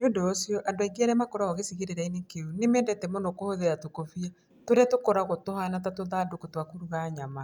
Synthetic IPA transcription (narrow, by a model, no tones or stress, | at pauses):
ondoːsijɔʔandwaiɡeɛɾɛmakoɾaɔɣesiɣeɾeɾainekeonemɛːndɛtɛmonokohoðeɾatokofia | toɾɛtokoɾaɣotohanat̬atoðadokotwakoɾuɣaɲama